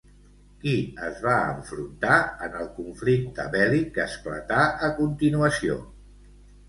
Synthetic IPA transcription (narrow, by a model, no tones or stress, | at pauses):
kiəzβaə̰ɱfɾunt̪aənəlˠkuɱflik̚t̪əβɛlikəsplə̰t̪aəkunt̪inuəsio̰